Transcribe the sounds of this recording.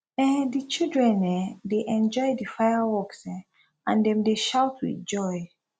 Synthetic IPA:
ɛ̃dit͡ʃildɹɛ̃nːɛ̃deʔɛ̃nd͡ʒɔɪdifajawɔksɛ | ã̰ndɛ̃mdeʃawtʰwḭθd͡ʒɔɪ

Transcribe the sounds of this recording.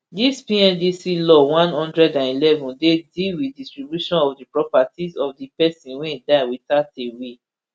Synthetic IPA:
dispiɛ̃ndisilɔwãnhɔ̃ndɹɛdãnilɛvɔ̃ndedilwidistɹibjuʃɔ̃nɔvdipɹɔpatizɔfdipɛsĩnwɛ̃daɪwitatewe

